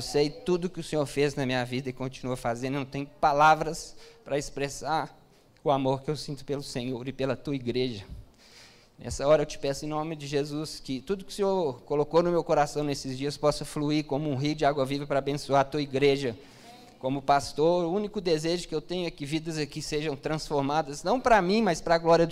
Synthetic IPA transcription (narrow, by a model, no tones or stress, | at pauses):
ewsejt̪ud̪ʊkɪʊsẽɲoɾfeznɐmĩɲɐvid̪ɐɪkõt͡ʃinuɐfazẽnnɐ̃t̪ẽj̃ʊpalavɾɐspɾɐɪspɾesaɾ | ʊamoɾkɪewsĩnt̪ʊ̥pelʊsẽɲoɾɪpelɐt̪uɐiɡɾeʒɐ | nʔɛ̰sɐɔɾɐewt͡ʃɪ̥pɛsʊẽnõmɪd͡ʒɪʒezuskɪt̪ud̪ʊkɪ̥sɪokolokonʊmewkoɾasɐ̃w̃nesɪzd͡ʒiɐspɔsɐfluikõmʊũɦijʊd͡ʒɪaɡwɐvivɐpɾɐabẽsuaɾt̪uɐiɡɾeʒɐ | kõmʊpast̪oɾʊũnikʊd̪ezeʒʊkɪewt̪ẽɲʊɛkɪvid̪ɐzɐkɪseʒɐ̃w̃t̪ɾɐ̃sfoɾmad̪ɐznɐ̃w̃pɾɐmĩmɐspɾɐaɡlɔɾiɐ